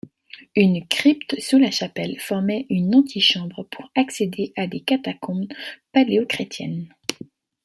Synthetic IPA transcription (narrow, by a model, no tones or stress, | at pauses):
ynkχipt̪sulaʃapɛlfɔʁmɛʔynɑ̃t̪ʰiʃɑ̃bʁəpʰuʁaksed̪eʔad̪ekat̪akɔ̃paleokχet̪jɛn